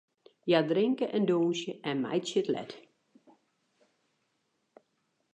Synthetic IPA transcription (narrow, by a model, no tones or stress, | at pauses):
jadrɪŋkəʔɛndoːsjəʔɛnma̰jtsjətlɛ̰t